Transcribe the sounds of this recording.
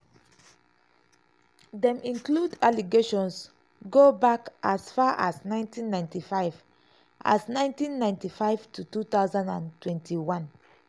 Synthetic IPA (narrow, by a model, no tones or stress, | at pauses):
dɛ̃mĩŋkludaliɡeʃɔ̃ns | ɡobakʔasfaʔasnãɪ̃ntĩnːãɪ̃ntifaɪv | ʔa̰snãɪ̃ntĩnːãɪ̃ntifaɪv̥tʰutut̪aʊzãndãntwɛ̃ntʰiwãn